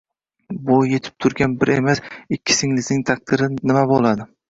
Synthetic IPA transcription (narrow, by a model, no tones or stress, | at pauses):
bʊje̞t̪ʰɪ̥p̚t̪ʰʊɾɡʲanbɪɾemasɪkʲʰːɪ̥sɪŋlɪznɪŋt̪ʰak̚d̪ɪɾɪnɪmabolˠad̪ɪ